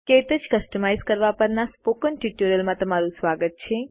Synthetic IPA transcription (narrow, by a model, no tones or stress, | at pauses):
ket̪əd͡ʒkəsʈəmajzkəɾʋapəɾnaspokəɳʈiʈuɾəlmãt̪əmaɾũsʋaɡət̪̚t͡ʃʰe